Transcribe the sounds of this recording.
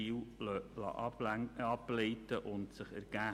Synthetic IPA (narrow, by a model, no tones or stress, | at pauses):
iwlɑ̰ʔɑblɛjtəʔʊntsəχæ̰ɾɡ̥æː